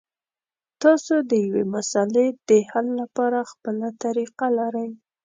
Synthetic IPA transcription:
t̪ɑsod̪əjawemasaled̪̥əhalːapɑɾaxpəlat̪aɾiqalaɾəj

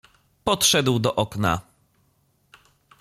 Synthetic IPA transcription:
pɔtʂɛd̪wd̪ɔʔɔkna̰

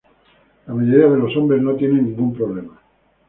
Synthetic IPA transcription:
lamaʝo̞ɾiað̞e̞lo̞so̞mbɾe̞zno̞t̪jenenːĩŋɡumpɾo̞β̞le̞ma

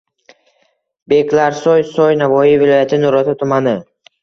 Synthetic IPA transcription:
be̞kʲlaɾsɔjsɔjnavɒijvɪlɒjat̪ʰɪnʊɾɒt̪ʰat̪ʰʊmanɪ

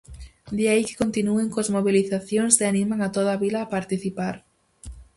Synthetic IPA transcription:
d̪iaike̥kont̪inueŋkozmoβiliθaθjoŋseanĩmaŋat̪oð̞aβilaːpaɾt̪iθipaɾ

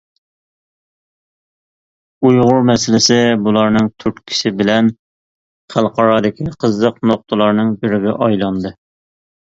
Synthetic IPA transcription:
ujʁʊɾmɛsɪlɪsɪbulˠɑɾnɨŋt̪ʰyɾt̪kʲʰi̥sɪbɪlɛn | χælˠqɑɾɑːd̪ɪkʲʰiqʰəzːəqnoq̚t̪ʰəlˠɑɾnɨŋbɪɾɪɡʲɛ̰ʔɑjlˠɑnd̪ɨ

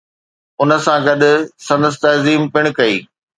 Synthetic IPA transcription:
ʊnə̆sãɡɐɗ̪ʊ̆sɐ̃nd̪əs̬t̪ɐziːmpɪɽ̃̆kɐiː

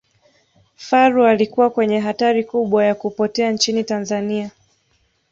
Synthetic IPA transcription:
faɾualikuwakwɛɲɛɦataɾikuɓwajakupɔtɛant͡ʃinitanzania

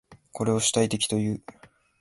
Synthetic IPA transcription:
kʰo̞ɾe̞o̞ɕi̥t̪ait̪e̞kʲi̥t̪o̞jɯ̟ː

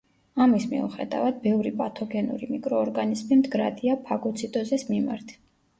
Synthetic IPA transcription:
amismḭṵχɛd̪a̰vad̪̚bɛvɾipʼat̪ʰɔɡɛnṵɾimikʼɾɔːɾɡanizmimd̪ɡɾad̪iapʰaɡɔt̪sʰit̪ʼɔzɛsmima̰ɾt̪ʰ

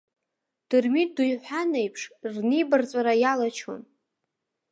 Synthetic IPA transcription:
d̥ɨrmidujħʷanejpʰʂrnijbart͡sʷʼaɾajalat͡ʃʰo̰n

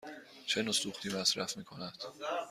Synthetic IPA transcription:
t͡ʃʰe̞nosuːχt̪ʰiːmæsɾæfmiːkʰo̞næd̪̥

